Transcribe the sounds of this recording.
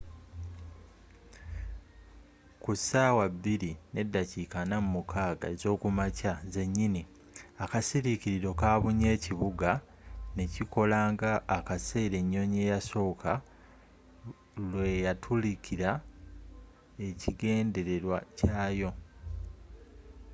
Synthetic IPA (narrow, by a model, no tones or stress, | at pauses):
kusaːwabːiɾine̞dːacikanamumukʰaːɡa̰ezo̞ːkumacaze̞ɲːini | akasiɾiciɾiɾo̞kaːβuɲe̞ːciβuɡa | ne̞ciko̞laːŋɡaːkase̞ːɾe̞ɲːo̞ɲe̞ːjaso̞ːkʰa | lwe̞jatʰulicʰiɾa | e̞ciɡe̞ːnde̞ɾe̞ɾwacaːjo̞